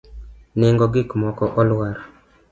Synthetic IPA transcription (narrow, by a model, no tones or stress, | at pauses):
nɪŋɡɔɡɪkmɔkɔʔɔlwaɾ